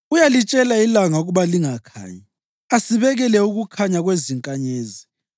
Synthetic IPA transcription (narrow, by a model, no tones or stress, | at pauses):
ujalit͡ʃʼɛlailaŋauɣuβaliŋakʰa̰ːji | asiβɛɣɛlɛuɣukʰaɲaɣweziŋkʼaɲeːzi